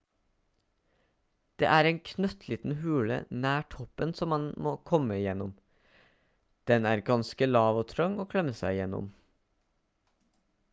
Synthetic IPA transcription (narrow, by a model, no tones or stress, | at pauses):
d̪̥ḛːʔæːɾeːŋkʰnœt̪ʰliːt̪n̩hʉːlə̰næːʈʰɔpənsɔmːɑnmoːkʰɔməɪjɛnɔm | d̪̥ɛnæːɾɡɑnskəlɑːʋoːt̪ʰɾœŋoːkʰlɛməsæɪjɛnʊ̰m